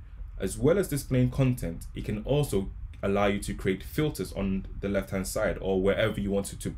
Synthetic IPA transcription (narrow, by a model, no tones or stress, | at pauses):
ʔəzwɛlˠəzdɪsplẽɪɪ̃ŋkʰɒ̃ntʰɛ̃ntɪt̚kʰə̃nɔˑlˠsoʊəlaʊjətʰɨkʰɹ̥ieɪtfɪlˠtʰəzn̩ðəlɛfthæ̃nd̥saɪɾəwəɹʔɛvəjəwɒ̃ntɪtʰə